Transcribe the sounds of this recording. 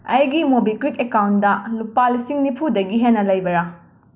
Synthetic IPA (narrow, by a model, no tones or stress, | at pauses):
ɐjɡimobikɾikekawndɐlupalisiŋnipʰudɐɡiɦenːɐlɐjbɐɾɐ